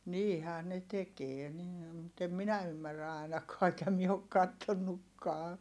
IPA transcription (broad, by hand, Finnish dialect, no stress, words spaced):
niːhæː ne tekeː niː mut em minæ ymːærːæ ɑˑi̯nɑkɑː eŋkæ mie ok kɑtːonːukːɑː